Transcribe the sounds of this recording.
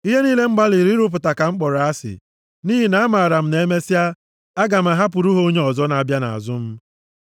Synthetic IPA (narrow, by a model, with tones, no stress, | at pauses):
i˦ɦe˦niː˦le˦ŋ͡m̩˦ɡ͡ba˦li˨ɾi˦ɾʊ˦p̬ʊ˨ta˨ka˨ŋ͡m̩˦k͡pɔ˨ɾa˨a˦sɪ̰˨ | niː˦ɦi˨na˨˦a˦ma˨ɾa˨m̩˦ne˦me˦si˦a˦ | a˦ɡa˨m̩˨a˨ɦa˦p̬ʊ˨ɾu˦ɦoo˦ɲe˦ɔ˨zɔ˦na˨a˨bja˦na̰˨a̰˨zʊ˦m̩˦